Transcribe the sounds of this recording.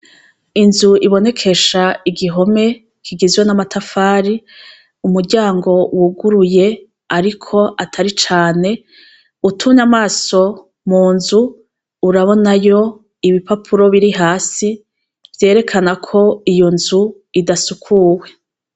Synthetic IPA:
inzuʔiβo̞ne̞kʰe̞ʃaiɡiɦo̞me̞ | kʰiɡizɡwonamatʰafaːɾi | umuɾɟaːŋɡo̞wuɡuɾuje̞ | aɾikʰo̞ʔatʰaɾit͡ʃaːne̞ | utʰumɲamaːso̞ | muːnzuː | ɾaβo̞najo̞ | iβipapʰuɾo̞βiɾiɦaːsi | vje̞ːɾe̞kʰanakʰo̞ijo̞nzu | idasukʰuwe̞

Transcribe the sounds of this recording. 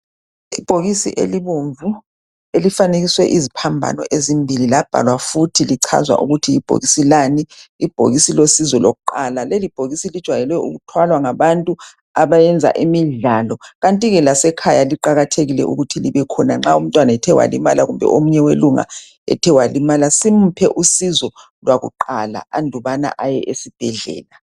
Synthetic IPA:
ib̥ʱoɣisḭʔḛliβoɱvu | elifaneɣiswɛʔizipʰambʱa̰nɔʔezimbʱililab̥ʱa̰lwafutʰiliǀʰa̰zwa̰ʔuɣutʰiːb̥ʱo̰ɣisilaniib̥ʱo̰ɣisilosizwɔloɣuǃalalelib̥ʱoɣisilid̥ʒ̥ʱwajɛlwɛṵɣutʰwalwaŋaβantʼu | aβajɛnd͡zʱa̰ʔimiɮalɔɣantʼiɣɛlasɛkʰajaliǃaɣatʰeɣilɛ̰ʔṵɣutʰiliβɛkʰɔnaŋ͡ǁaum̩tʼwanaɛtʰɛwa̰limalaɣumbʱɛ̰ʔomuɲɛweluŋa̰ | ɛ̰tʰɛwalimalasim̩pʰɛʔusizɔ | lwaɣṵǃala̰andʱuβana̰ʔajɛʔesib̥ʱɛɮɛ̰ːla

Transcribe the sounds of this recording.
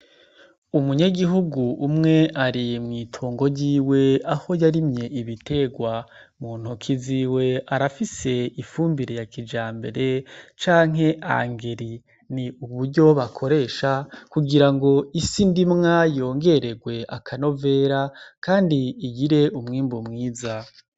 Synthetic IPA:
umuɲaɡiɦuɡuumŋe̞ʔaɾimŋiːtʰuːŋɡo̞ɟiːwe̞aho̞jaɾimɲe̞iβitʰe̞ɡwa | muːn̥ukʰiziːwe̞aɾafise̞ifuːmbiɾejakid͡ʒaːmbe̞̰ɾe̞t͡ʃaːŋ̥ɦe̞ʔa̰ŋɡe̞ɾi | niuβuɾɟo̞βakʰo̞ɾe̞ːʃakuɡiɾaŋɡo̞isindimŋajo̞ːŋɡe̞ɾe̞ɡwe̞ʔa̰kʰano̞ve̞ːɾakaːndiːɡiɾe̞umŋiːmbumŋiːza

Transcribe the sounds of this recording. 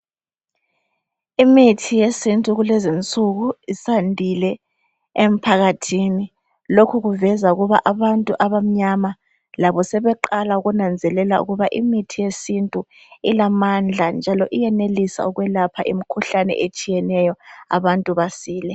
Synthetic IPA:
imitʰijesintʼuɣulezint͡sʼuɣuisandʱilɛ | em̩pʰaɣatʰini | lokʰuɣuvɛzauɣuβa̰ʔaβantʼuʔaβam̩ɲama | laβɔsɛβɛǃalauɣunand͡zʱɛlɛlaṵɣuβaʔimitʰijesintʼu | ilamand͡ɮʱand͡ʒʱalɔʔijɛnelisa̰uɣwɛlapʰa̰ʔimikʰuɬanɛ̰ʔet͡ʃʼijɛnɛjɔa̰βantʼuβasiːlɛ

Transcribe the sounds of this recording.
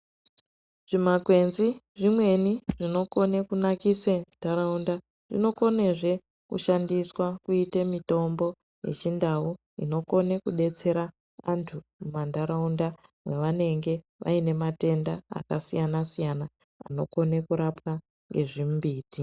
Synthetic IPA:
ʐ̥imakwe̞nziʐimwe̞niʐino̞ko̞ne̞kunakisendaɾaunda | ʐ̥ḭno̞ko̞neʐe̞ | kṵʃandiswakuitemito̞mbo̞ | je̞̰t͡ʃindau | ḭno̞ko̞ne̞kuɗe̞t͡se̞ɾa | antʰumumandaɾaundamwe̞ʋane̞ŋɡe̞ | ʋa̰ine̞mate̞nda̰ːkasijanasijana | a̰no̞̰ko̞nekuɾapwa | ŋɡe̞ʐimbiːti

